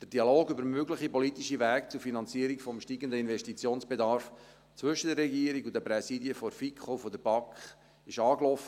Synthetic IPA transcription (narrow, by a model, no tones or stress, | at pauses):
d̪̥əd̥iɑloːɡybəɾmøɡləχipɔlit̪iʃiʋæːkt͡sʊɾfinɑnt͡siəɾikfɔmʃtiːɡənd̪əinvɛʃtit͡sjoːnsb̥ed̪ɑɾrf | t͡sʋʏʃədərːɛɡiːəɾiɡud̪æpɾɛsidiəfɔɾfikχofɔd̪əɾb̥ɑkχ | ɪʃɑːklɔfə